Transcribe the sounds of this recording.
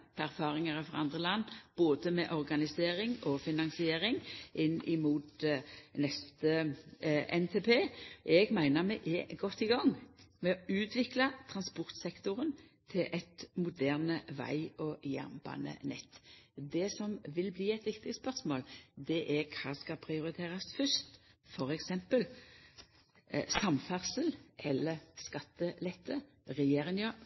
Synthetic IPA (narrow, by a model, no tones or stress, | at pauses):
pʰæʁfɑːʁɪŋəʁəfʁɑ̰ɑnd̪ʁəlɑnːb̥oːd̪əmɛʔɔʁɡɑnɪseːɾɪŋɔfɪnɑŋsɪeːɾɪŋʔɪnːɪmuːt̪nɛst̪ə | ʔɛnt̪ʰeːpʰeːʔɛɡmæɪnəʁmɛʔɛɡɔt̪ːɪɡɑŋmɛɔʉːt̪ʰʋɪklɑt̪ʰʁɑnspɔʁt̪sɛkt̪ʊʁən | t̪ʰɪlʔɛt̪mʊd̪æːʁnəʋæ̰ɪɔjæ̰ʁmb̥ɑ̰nə̰nɛ̰t̪ːd̪ɛsɔmʋɪlbliːɛt̪ʋɪkt̪ɪspœʁsmoːld̪ɛʔækʰɑːskɑpʰɾɪʊɾɪt̪ʰeːʁɑsfʏst̪fɔɾɛksɛmpəl | sɑmfæʁsəlʔɛlːəʁskɑt̪ːəlɛt̪ʰːə | ʁɛjeːʁɪŋə